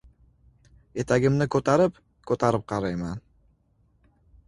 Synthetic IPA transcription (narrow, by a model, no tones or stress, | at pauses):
e̞t̪aɡʲɪmnɪkʰɵt̪aɾɪp | kʰɵt̪aɾɪp̚qʰɑɾɑjmɑn